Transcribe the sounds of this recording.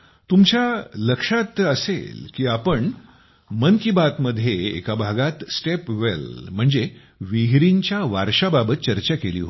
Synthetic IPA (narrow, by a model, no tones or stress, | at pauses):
t̪umt͡ɕjaləkʂat̪əsḛlkiːapəɳ | mənkibat̪məd̪ʱːjeḛkabʱaɡat̪sʈepʋelm̤əɳd͡ze | ʋiɦɾiɲt͡ɕjaʋaɾʂababət̪̚t͡ɕəɾt͡ɕakelḭːɦo